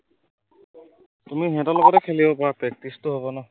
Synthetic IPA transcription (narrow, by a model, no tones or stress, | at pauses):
tumiɦɛ̃tɔlɔɡɔtɛkʰelibɔpɔapɹɛk̚tistɔɦobɔnɔ